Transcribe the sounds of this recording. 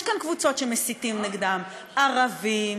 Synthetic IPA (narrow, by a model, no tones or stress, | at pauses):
jʃkankvut͡so̞tʃemesit̪imniɡd̪am | ʔaʁavim